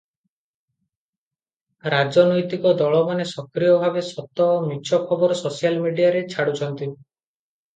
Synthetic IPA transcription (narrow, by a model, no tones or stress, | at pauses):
ɾad͡ʒɔnɔjt̪ikɔd̪ɔɭɔmanesɔkɾijɔbʱabesɔt̪ɔɦɔmit͡ʃʰɔkʰɔbɔɾɔsosialmiɖiaɾet͡ʃʰaɽut͡ʃʰɔnt̪i